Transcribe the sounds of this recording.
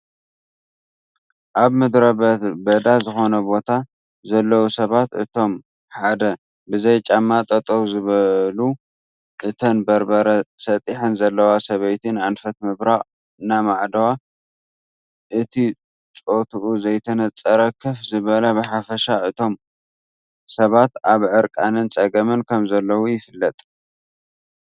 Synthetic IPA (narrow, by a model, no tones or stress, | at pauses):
ʔaβmɨd̪ɾɐbɐd̪azɨxo̞nɐbo̞t̪ʰa | zɐlːɐwusɐβat̪ɨ̰t̪ʰo̞m | ħad̪ɐ | bɨzɐjt͡ʃʼamːat̪ʼɐt̪ʼɐwzɨβɐlu | ʔʔɨt̪ʰɐnbɐɾbɐɾɐsɐt̪ʼiħɨnzɐlːɐwasɐβɐjt̪ʰɨnʕanfɐt̪mɨβɾaχʼ | namaʕd̪ɐwa | ʔɨt̪ʰi | t͡sʼo̞t̪ʰuʔuzɐjt̪ʰɐnɐt͡sʼːɐɾɐkʰɨfzɨβɐlɐbɨħafɐʃaʔɨt̪ʰo̞m | sɐβat̪aβʕɨɾkʼanɨnt͡sʼɐɡɐmɨnkʰɐmzɐlːɐwujɪfɨlːɐt̪ʼ